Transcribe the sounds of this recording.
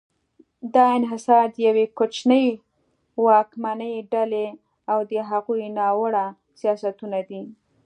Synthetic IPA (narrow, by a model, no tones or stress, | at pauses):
d̪ɑɪnɦɪsɑɾd̪əjawekot͡ʃnəj | wɑkmanəjɖale | awd̪əɦaɣujnɑwəɽa | sijɑsat̪unad̪i